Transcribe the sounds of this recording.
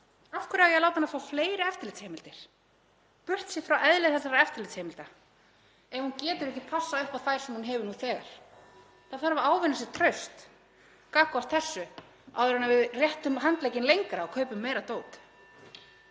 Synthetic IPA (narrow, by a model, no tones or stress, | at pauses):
afkʏɾawjɛɣlaːwt̪anafafleːjɾɪɛft̪ɪɾlːt̪sheːmɪlt̪ɪɾ̥ | pʏr̥t̪sjɪfɾawʔɛðlɪθɛsaɾaɛft̪ɪɾlɪt̪shɛːmɪlt̪a | ɛhuncɛːt̪ʏɾɛhcɪpʰasːaʏhpawθajɾ̥sɛmhunɦɛvʏɾnuθɛːɣa̰ɾ̥ | θaðθaɾvaaːwvɪnas̬ɪɾ̥t̪ʰɾœɥst̪ | kaːkast̪θɛsːʏ | a̰wðʏɾanavɪðrjɛht̪ʏmɦant̪lejcɪnlejŋkɾaɔkʰœːɥpʏmːeːjɾat̪oːwt̪